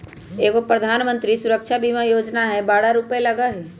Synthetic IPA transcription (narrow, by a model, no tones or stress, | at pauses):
eːkopɾəd̪ʱaːnmə̃nt̪ɾisʊɾəkʃʰabʱimãjoːd͡ʒnaɦɛbaːɽaɾupelɐɡaɦi